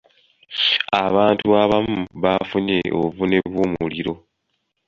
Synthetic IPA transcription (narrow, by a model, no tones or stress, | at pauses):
aβaːntuaβamuβafuɲe̞̰ʔo̰vune̞βumuliɾo̞